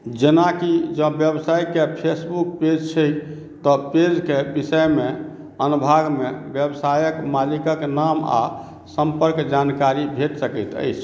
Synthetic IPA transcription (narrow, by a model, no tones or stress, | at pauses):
d͡ʒenakid͡ʒə̃bjəbsajkepʰesbukped͡ʒt͡ʃʰəj | t̪ɔped͡ʒkebisəjme | ənubʱaɡmebjəbsajəkmalikəknama̰ | səmpəɾkd͡ʒankaɾibʱeʈsəkəjt̪ə̰jt͡ʃʰ